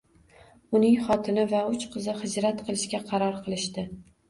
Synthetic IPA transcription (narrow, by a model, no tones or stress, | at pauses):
ʊnɪŋχɒt̪ʰɪnɪvaʊt͡ʃqʰɨzɪχɨd͡ʒɾat̪qʰɨlˠɪʃkʲaqʰɑɾɒɾqʰɨlˠɪʃt̪ɪ